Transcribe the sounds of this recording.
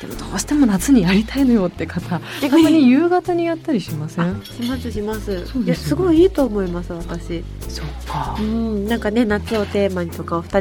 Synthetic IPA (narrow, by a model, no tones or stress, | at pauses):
d̪̥e̞mo̞̰d̪̥oːɕi̥t̪e̞mo̞nat͡sɨɲ̟ijaɾʲit̪aino̞jo̞ːt̪ːekʰat̪aekɲ̟ijɯ̟ːɡat̪aɲ̟ijat̪ːaɾʲiɕimaseãɕimasɨɕimasɨsoːd̪jasɨɡo̞iiːt̪o̞ːmo̞imasɨβat̪aɕi | sokːaɯ̟̃ɴnãŋkane̞nat͡sɨo̞t̪e̞ːmaɲ̟it̪o̞kaoɸɯ̟̥t̪a